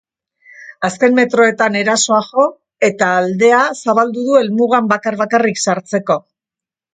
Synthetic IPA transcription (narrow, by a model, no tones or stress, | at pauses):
aske̞mme̞t̪ɾo̞e̞t̪ane̞ɾaso̞aɣo̞ | e̞t̪aːld̪e̞asaβald̪uðue̞lmuɣambakaɾβakariksaɾt͡se̞ko̞